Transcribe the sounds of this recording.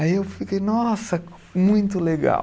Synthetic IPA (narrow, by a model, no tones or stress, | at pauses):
aiewfikejnɔsɐ | mũj̃t̪ʊleɡa̰